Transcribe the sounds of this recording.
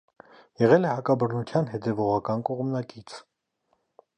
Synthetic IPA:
jɛʁɛlɛhɑkɑbəɾnut̪ʰjɑnɦɛt̪ʰɛvɔʁɑkɑnkɔʁmnɑkit͡sʰ

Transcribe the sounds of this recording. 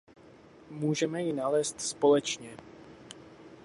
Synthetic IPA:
muːʒɛmɛjɪnalɛːst̪spo̞lɛt͡ʃɲɛ

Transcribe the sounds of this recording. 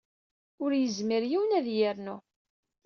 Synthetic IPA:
ʊɾjəzməɾjiwnæðjəɾnu

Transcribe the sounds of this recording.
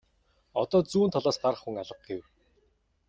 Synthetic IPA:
ɔ̰t̪ɔːt͡suːnt̪ʰɔɮɔːsɢarχxuŋaɮə̆q̚ɡew

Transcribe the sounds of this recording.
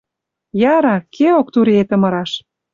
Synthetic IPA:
jɑɾɑkʰeok̚t̪uɾiet̪ə̆mɤ̆ɾɑʃ

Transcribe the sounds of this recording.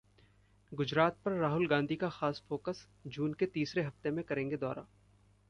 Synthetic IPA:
ɡʊd͡ʒɾaːt̪̚pɐɾːaːɦʊlɡãːnd̪ʱikaxaːsfoːkəs | d͡ʒuːnket̪iːsɾeɦɐft̪emẽkɐɾẽːŋɡed̪ɔːɾa̰ː

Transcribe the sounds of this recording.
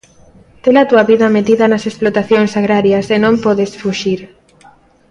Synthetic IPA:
t̪elat̪uɐβiðɐmet̪iðɐnɐsesplot̪aθjoŋsaɣɾaɾjɐsenõmpɔðesfuʃiɾ

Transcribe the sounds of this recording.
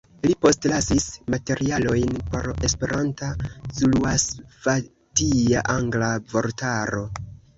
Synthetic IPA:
lipo̞stlasismate̞ɾʔialo̞jnpo̞̰ɾe̞spe̞ɾantasuluasva | tiaʔaŋɡlavo̞ɾtaɾo̞

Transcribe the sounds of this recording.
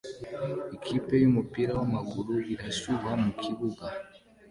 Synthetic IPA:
ikʰipɛjimupiɾawamaɡuɾuɡiɾasiwwamukʰiβuba

